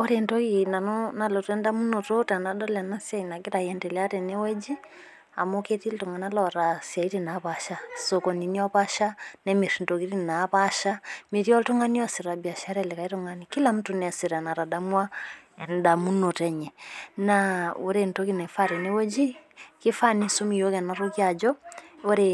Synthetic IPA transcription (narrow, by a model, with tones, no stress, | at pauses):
ɔ˦ɾɛntɔ˦kina˨nɔna˨lɔ˨tɛ˦nda˦mu˦nɔ˨tɔ˦ta˨na˨da˦la˨na˦sja˨ina˨ki˦ɾa˨jɛndɛlɛa˦ɾɛ˨nɛ˦wɛ˦d͡ʒi˦ | a̰˨mɔ˦kɛ˦ti˦ltɔ˨ŋɡa˨na˦lɔɾasja˨iɾina˨βaʃasɔkɔ˨ni˨ni˦ɔ˦βa˦ʃa˦nɛmɛ˨ɾindɔ˨ki˦ɾi˦na˨βaʃa˦mi˨ɾi˦ɔ˦ltɔ˦ŋa˦ni˦ɔ˦si˨ɾa˨bi˨a˨ʃa˨ɾɛ˦lɛ˨ka˨i˦tɔ˦ŋɡa˨niki˦la˦m̩˦tu˨n˨a˨siɾa˨na˨ɾa˨da˦mwa˦ɛ˨nda˨mu˦no˨tɛ˦ɲɛ˨nao˨ɾe˨nto˦ki˦nɛ˨fa˦ɾɛ˨nɛ˦wɛ˦d͡ʒiki˦fa˦nisu˦mi˨jo˦kɛ˨na˨ɾoki˦a˨d͡ʒɔ˦o˦ɾe